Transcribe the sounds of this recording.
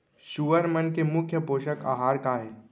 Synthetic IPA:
ʃuʋəɾmənkemʊkʰːjəpoːʃəka̰ːɦaːɾkaɦeː

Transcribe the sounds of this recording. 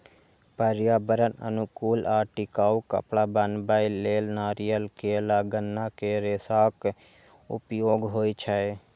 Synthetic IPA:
pəɾjaːbəɾənə̰nʊkuːlaːʈɪkaːukə̰pɽaːbənbaːileːlnaːɾijəlkeːlaːɡənːakeːɾeːsaːk | ʊ̰pjoːɡɦoːit͡ʃʰəe

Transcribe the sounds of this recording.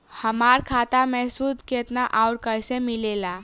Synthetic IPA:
həmaɾkʰat̪amẽsud̪ʱket̪naʔaʊɾkəjsẽmilela

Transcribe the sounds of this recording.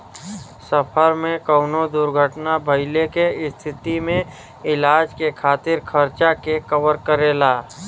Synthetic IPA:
səpʰəɾmẽkəʊnod̪ʊɾɡʱəʈnabʱəɪlekeɪst̪ʰɪt̪imẽ | ɪlaːd͡ʒkekʰaːt̪ɪɾkʰəɾt͡ʃakekəwəɾkəɾelaː

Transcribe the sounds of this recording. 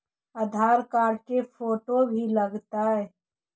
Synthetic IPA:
əd̪ʱaːɾkaːɾkefʰoːʈobʱiləɡt̪aɦɛː

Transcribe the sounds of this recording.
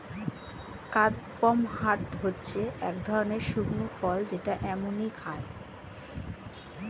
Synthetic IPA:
kad̪pɔmhaʈɦotːɕʰeɛkd̪ʱɔɾoneɾʃuɾnufɔld͡ʑeʈaʔɛmonikʰae

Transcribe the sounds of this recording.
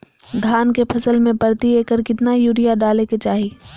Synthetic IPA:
d̪ʱaːnkepʰɐsəlmẽpɐɾt̪ieːkəɾkɪt̪najuːɾijaɖaːleket͡ʃaːɦi

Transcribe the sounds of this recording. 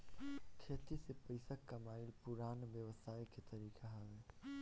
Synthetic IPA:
kʰeːt̪isepəɪsakːɐmaːɪlpʊɾaːnʋjəʋsaːjkʰet̪ɐɾiːkʰaɦɛʋeː

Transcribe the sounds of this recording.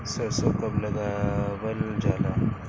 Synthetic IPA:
səsokəbləɡaʋəld͡ʒala

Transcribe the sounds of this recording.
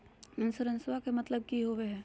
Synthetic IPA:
ɪnsʊɾə̃nswakemɐt̪ləb̚kiɦoʋeɦɛː

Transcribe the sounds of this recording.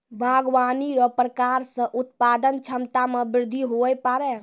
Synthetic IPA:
bʱaɡwaniɾɔpɾəkaɾsə̃ʔut̪pad̪ənt͡ʃʰəmt̪amebɾɪɾd̪ʱːiɦojpaɾɛ

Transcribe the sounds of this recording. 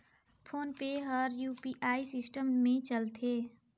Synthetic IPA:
pʰoːnpeɦɔɾjuːpiʔaːisɪsʈəmːẽt͡ʃəlt̪ʰeː

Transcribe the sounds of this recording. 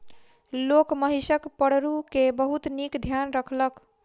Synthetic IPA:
lokməɦisəkpəɽ̤ɾukebəɦut̪nikd̪ʱjanɾəkʰlək

